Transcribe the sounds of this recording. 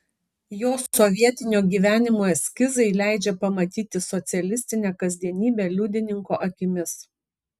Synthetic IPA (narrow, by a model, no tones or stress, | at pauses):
joːsɔʋʲiɛt̪ʲɪnʲoːɡʲiːʋʲæːnʲɪmoɛsʲkʲɪzɐɪlʲæˑɪd͡ʒʲɛpɐmɐt̪ʲiːt̪ʲɪsɔt̪sʲɛlʲɪsʲt̪ʲɪnʲæːkɐzʲd̪ʲiɛnʲiːbʲeːlʲʊd̪ʲɪnʲɪŋkoːʔɐkʲɪmʲɪs